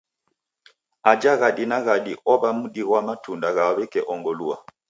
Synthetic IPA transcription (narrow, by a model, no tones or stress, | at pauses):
ad͡ʒaɣaɗinaɣaɗiʔɔβamuɗiɣwamatundaɣaaβɛkɛʔɔŋɡɔlua